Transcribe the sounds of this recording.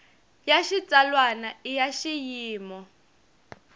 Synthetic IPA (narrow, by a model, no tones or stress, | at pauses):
jaʃit͡salwanaijaʃijiːmɔ